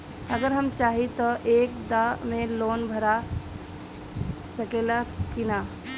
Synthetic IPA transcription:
ɐɡəɾɦɐmt͡ʃaːɦit̪oʔeːk̚d̪amẽloːnbʱɐɾa | sɐkeːlakɪnaː

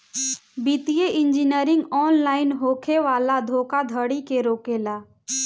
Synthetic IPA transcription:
bit̪ijeʔɪ̃nd͡ʒinəɾɪ̃ŋɡɔːnlaːɪnɦoːkʰeʋaːlad̪ʱoːkad̪ʱəɽikeɾoːkelaː

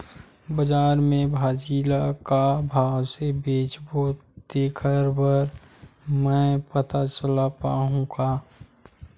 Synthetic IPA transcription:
bəd͡ʒaːɾmẽbʱaːd͡ʒiːlakabʱaːwsebeːt͡ʃboːd̪eːkʰəɾbəɾ | mɛ̃pət̪at͡ʃəlapaːɦũkaː

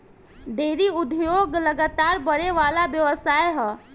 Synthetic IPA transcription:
d̪eːɾiʊd̪ʱjoːɡləɡaːt̪aːɾbəɽeʋaːlabjəʋəsaːjɦɛː

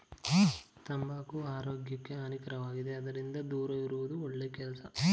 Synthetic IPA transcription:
t̪ɐmbaːkuaːɾoːɡjɐkːeɐnikɐɾɐʋaːɡid̪eɐd̪ɐɾind̪ɐd̪uːɾɐʋiɾuʋud̪uoɭːeːkɛlɐsɐ

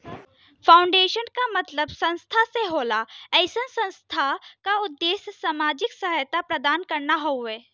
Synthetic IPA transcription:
fʰaːʊ̃ɳɖeːʃənkamɐt̪ləbsɐ̃nst̪ʰaseɦoːlaɛɪsənsə̃nst̪ʰakaʊd̪ːeːssaːmaːd͡ʒɪksəɦəjt̪apɾɐd̪aːnkɐɾnaɦoeː

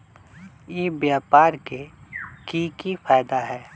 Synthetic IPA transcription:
jeːbjaːpaːɾkekikifʰaːjd̪aɦɛː

